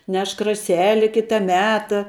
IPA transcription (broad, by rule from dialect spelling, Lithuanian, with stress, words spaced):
ˈnʲɛʃk rɐˈsʲæːlʲɪ ˈkʲɪtɐ ˈmʲæːtɐ